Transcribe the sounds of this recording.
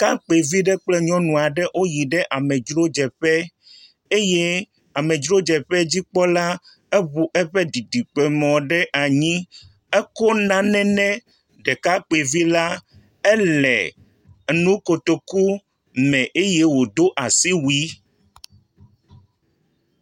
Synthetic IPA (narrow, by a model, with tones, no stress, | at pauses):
ka˦k͡pe˨vi˦ɖɛ˦k͡plɛ˦ɲɔ̃˦nũ˨a˨ɖɛ˦ʔo˦ji˨ɖɛ˦ʔa˨mɛ˨d͡ʒɾo˦d͡ʒɛ˨ɸɛ˦ | e˦je˦ | a˨mɛ̃˨d͡ʒɾo˦d͡ʒɛ˨ɸɛ˦d͡ʑi˦k͡pɔ˦la˦ | ɛ˦βu˨ʔɛ˦ɸɛ˦di˨ɖi˨k͡pe˨mɔ̃˨ɖɛ˦ʔa˨ɲĩ˦ | ɛ˦kɔ˦nã˦nɛ̃˦nɛ̃˦ | ɖɛ˨ka˦k͡pe˨vi˦la˦ | ɛ˦lɛ̰˨ | nũ˦ko˨t̪o˨ku˦ | mɛ̃˨ʔe˦je˦wo˨d̪o˦ʔa˨si˦wi˦